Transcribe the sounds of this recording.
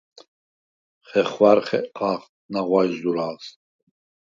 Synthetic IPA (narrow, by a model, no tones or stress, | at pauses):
χɛχvaɾχɛ̰qʼaχ | naʁwajd̪uɾaːs